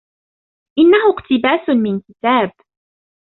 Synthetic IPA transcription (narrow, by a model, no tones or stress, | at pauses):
ʔɪnːahʊqt̪ɪbaːsmɪnkɪt̪aːb̚